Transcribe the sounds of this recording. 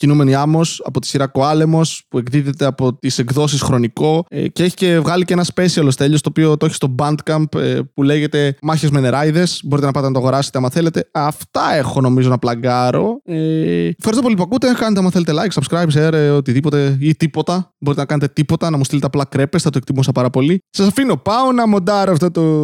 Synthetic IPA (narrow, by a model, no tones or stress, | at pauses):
cinume̞niɐmo̞sɐ̰po̞t̪i̥siɾɐkoɐle̞mo̞spue̞ɡðiðet̪e̞ɐpo̞t̪iseɡðo̞s̬isxɾo̞niko̞ḛceeçi̥ce̞vɣɐliceenɐspe̞siɐlost̪e̞ʎost̪oːpio̞t̪oçi̥st̪o̞bɐnd̪kɐmpḛpule̞ʝe̞t̪e̞mɐçezmeneɾɐjðe̞sbo̞ɾit̪enɐpɐt̪enɐt̪oɐɣo̞ɾɐset̪eɐmɐθe̞le̞t̪e̞ɐft̪ɐe̞xo̞no̞mizo̞nɐplɐɡɐɾo̞eefxɐɾist̪opolipuɐkut̪ekɐnet̪ɐmɐθe̞le̞t̪e̞lɐjksɐbskɾɐjbseɾeot̪iðipo̞t̪e̞it̪ipo̞t̪ɐbo̞ɾit̪enɐkɐnet̪et̪ipo̞t̪ɐnɐmust̪ilet̪eɐplɐkɾe̞pest̪ɐt̪oekt̪imusɐpɐɾɐpo̞lisɐsɐfino̞pɐonɐmo̞d̪ɐɾoɐft̪ot̪o